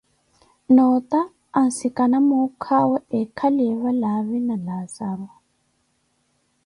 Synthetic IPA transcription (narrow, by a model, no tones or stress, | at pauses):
nɔt̪aː | nsikanamukʰawɛɛkʰalɛβalaβinalasaɾwa